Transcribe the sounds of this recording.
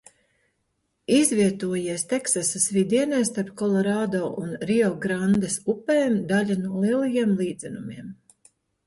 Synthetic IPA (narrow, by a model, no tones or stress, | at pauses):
izviɛt̪uɔjiɛst̪ɛksasasvid̪iɛnɛːst̪aɾpkɔlˠɔɾaːd̪oːʔunɾiɔɡɾand̪ɛsupeːmd̪aʎʲanuɔlˠiɛlˠajiɛmlˠiːd̪zɛnumiɛm